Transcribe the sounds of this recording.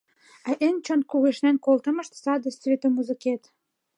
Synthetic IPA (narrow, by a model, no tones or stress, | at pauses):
æʔenʲt͡ɕonkuɣeʃnænkolt̪ə̆mə̆ʃt̪sɑd̪ə̆svʲet̪omuzɨket̪